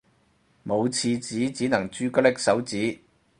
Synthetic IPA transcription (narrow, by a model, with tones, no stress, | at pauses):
mo˨˧wt͡sʰiː˧t͡siː˨˥t͡siː˨˥nɐ˨˩ŋt͡ʃyː˥kɔ˥lɪ˥k̚sɐ˨˥wt͡siː˨˥